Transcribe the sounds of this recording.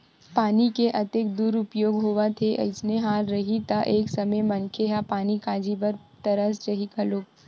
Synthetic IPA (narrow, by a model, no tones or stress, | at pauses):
paːnikeʔɐt̪ekd̪uːɾʊpjoːɡɦoːʋat̪ʰeʔɐ̰ɪsneɦaːɾɾɐɦit̪aʔeːksɐməmɐ̃nkʰeɦapaːnikaːd͡ʒibəɾ | t̪ɐɾəst͡ʃɐɦikaloːɡ̚